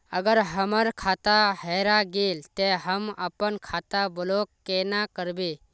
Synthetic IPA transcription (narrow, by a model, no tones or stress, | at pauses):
əɡəɾɦəməɾkʰat̪aɦeɾaɡelt̪eɦəməpənkʰat̪abəlokːenakəɾbe